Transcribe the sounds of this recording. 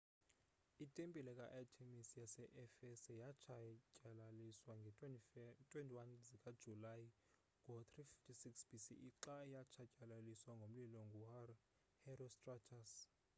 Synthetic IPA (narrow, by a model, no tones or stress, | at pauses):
itʼempʼilɛkʼaʔatʰemisijasɛʔɛfɛsɛjat͡ʃʰacʼaiswaŋ | tʼwentʼiwanzikʼad̥ʒ̥ʱulaji | kɔt̪ʰrifi̥ftʰisiksb̥isḭʔiǁajat͡ʃʰacʼalaliswaŋɡʱom̩lilɔŋɡʱuhar | hɛrɔstʼrat͡ʃʰas